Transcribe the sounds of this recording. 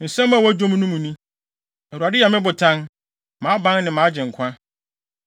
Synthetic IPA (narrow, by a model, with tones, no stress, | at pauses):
n̩˨sɛ̃˦m˦a˨wa˦d͡ʑõ˦m˦nũ˦mũ˨nũ˦ | ɛ˨u˨a˨dɪ˦ja˨mɪ̃˦bʊ˨tʰã˦n | mã˨˦bã˦n˦nɪ̃˨mãː˨˦d͡ʑɪ̃˨ŋ̩˨kʷʰã˦